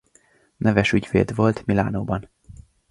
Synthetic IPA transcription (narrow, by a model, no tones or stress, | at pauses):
nɛvɛʃyɟvḛːd̪vo̞lt̪mila̰ːnoːbɒn